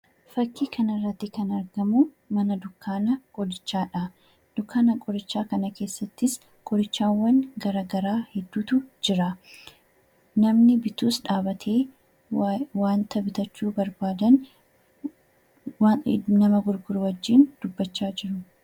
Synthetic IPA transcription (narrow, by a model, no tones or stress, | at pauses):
fɐkːiːkʰɐnɪrːɐt̪ːɪkɐnɐɾɡɐmʊ | mɐnɐd̪ʊkːaːnɐkʼɔd̪ɪt͡ʃːaːᶑaː | d̪̥ʊkːaːnɐkʼɔɾɪt͡ʃːaːkɐnɐke̞ːsːɐt̪ːɪs | kʼɔɾɪt͡ʃːaːwːɐŋɡɐɾaːɡɐɾaːhɛd̪ːuːt̪ʊd͡ʒɪɾɐ | nɐmnɪbɪt̪uːsᶑaːbɐt̪ʰeː | waːnt̪ʰɐbɪt̪ɐt͡ʃːuːbɐɾbaːd̪ɐn | nɐmɐɡʊɾɡʊɾʊwɐd͡ʒːiːnd̪̥ʊbːɐt͡ʃːaːd͡ʒɪɾʊ